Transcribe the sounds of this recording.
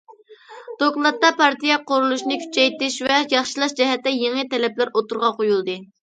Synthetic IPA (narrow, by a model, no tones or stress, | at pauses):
d̪̥oklˠɑt̪ːɑpɑɾt̪ijɛqoɾulˠuʃinɨkʲʰy̥t͡ʃʰɛjt̪ɪʃvɛjɑχʃɨlˠɑʃd͡ʒɛɦɛt̪ːɛjeŋət̪ɛlɛplæɾot̪uɾʁɑqojulˠd̪ɨ